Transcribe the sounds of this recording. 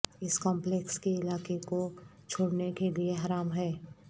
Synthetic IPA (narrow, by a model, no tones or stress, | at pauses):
ɪskɔ̃ːmplekskeɪlaːkekot͡ʃʰoːɽnekelieɦaːɾaːmɦɛː